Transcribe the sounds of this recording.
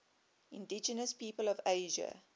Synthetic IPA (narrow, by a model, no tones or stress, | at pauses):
ɪ̃ndid͡ʒənəspiːpəlɔveɪʒə̰